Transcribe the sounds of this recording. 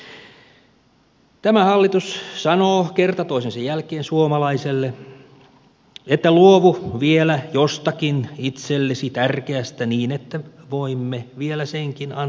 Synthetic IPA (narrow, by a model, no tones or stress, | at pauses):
t̪æmæhɑlːit̪ussɑnoːkert̪ɑt̪oisensɑjjælkeːnsuomɑlɑiselːe | et̪ːæluoʋuʋielæjost̪ɑkinit̪selːesit̪ærkeæst̪æniːnet̪ːæʋoimːeʋielæseŋkinɑn